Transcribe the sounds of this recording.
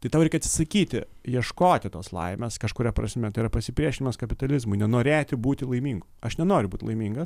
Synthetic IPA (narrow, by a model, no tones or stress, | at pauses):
t̪ɐɪtɐʊɾɛɪkʲɐt̪ʲsʲɪ̥sɐkʲiːt̪ʲɪ̰ | jiɛʃkoːt̪ʲɪt̪o̰ːslˠɐ̰ɪmʲeːskɐʃkʊɾʲɛpɾɐ̰sʲmʲɛt̪ɐɪiɐpɐsʲɪpʲɾʲiɛʃʲɪnʲɪmɐskɐpʲɪt̪ɐlʲɪzmʊɪnʲɛnoːɾʲeːt̪ʲɪbuːt̪ʲɪlˠɐɪmʲiːŋɡʊɐʃnʲɛnoːɾʲʊbuːt̪ʲlˠɐ̰ɪmʲiːŋɡɐs